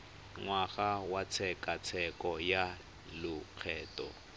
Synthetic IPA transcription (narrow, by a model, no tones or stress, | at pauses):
ŋwaɣawat͡sʰɛkʼat͡sʰɛkʼɔja | lʊq͡χʰɛːtɔ̰